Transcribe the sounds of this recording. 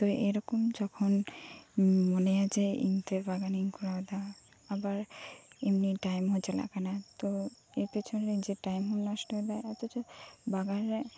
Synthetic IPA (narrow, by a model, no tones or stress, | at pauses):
t̪oeɾɔkomd͡ʑɔkʰon | monead͡ʑeḭnt̪eɾbaɡaniŋkulad̪a | abaɾemniʈajmɦot͡ɕela̰kanat̪oepet͡ɕʰoned͡ʑeʈajmɦunnɔʃʈod̪ajat̪ot̪obaɡaɾ